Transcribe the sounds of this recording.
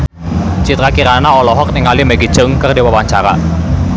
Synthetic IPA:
t͡ʃit̪ɾakiɾanaɔlɔɦɔk̚nɪŋalimɛɡi̥ʒ̥ʊŋkərdiwawaɲt͡ʃaɾa̰

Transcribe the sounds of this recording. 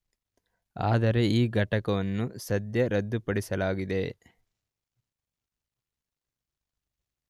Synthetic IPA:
a̰ːd̪ɐɾe̞iːɡʱɐʈɐkɐʋɐnːusɐd̪jɐɾɐd̪ːupɐɽisɐlaːɡid̪e̞

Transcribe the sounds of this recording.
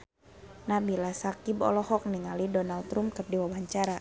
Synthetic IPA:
nahbilasakibɔ̰lɔhɔk̚niŋalidɔnalt̪ɾumkərdiwawaɲt͡ʃaɾa

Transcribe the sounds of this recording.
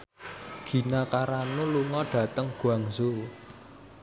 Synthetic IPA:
ɡ̥i̤nakaɾanuluŋɔɖ̥ä̤t̪əŋɡ̥uaŋzo

